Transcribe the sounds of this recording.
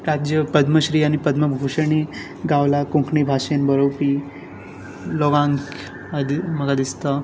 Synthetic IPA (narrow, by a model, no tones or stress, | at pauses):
ɾad͡ʑjəpəd̪ʱməɕɾiːaɽ̃ipəd̪ʱməbʱuɕəɳ̃i | ɡawlakũŋkʰɳibʱaʂenbəɾowpi | lɔɡãŋk | ad̪iməɡad̪ist̪a